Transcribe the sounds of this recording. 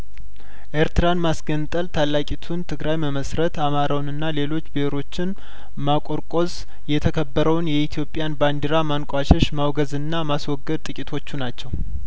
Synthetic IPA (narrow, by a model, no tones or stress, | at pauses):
ʔeɾt̪ɨɾanmasɡənt̪ʼəlt̪ʰalːakʼit̪ʰunt̪ʰɨɡɾajməməsɾət̪amaɾawnɨnːale̞lo̞t͡ʃːbehɾo̞t͡ʃːɪn | makʼo̞ɾkʼo̞z | jɛt̪ʰəkʰəbːəɾəwnjɛit̪ʰijo̞pʼjanband̪iɾamankʼʷaʃɛʃmawɡəzɨnːamaswɔɡːəd̪̚t̪ʼɨkʼit̪ʰo̞t͡ʃːunat͡ʃːɛw